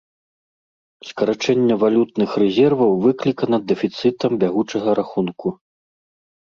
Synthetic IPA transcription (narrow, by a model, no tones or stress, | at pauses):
skɐɾat͡ʂɛnʲːɐvalʲut̪̚nɨxrɛzʲɛrvɐwvɨklʲikɐnɐd̪ːɛfʲit̪sɨt̪ɐmbʲaɣut͡ʂɐɣɐɾaxunku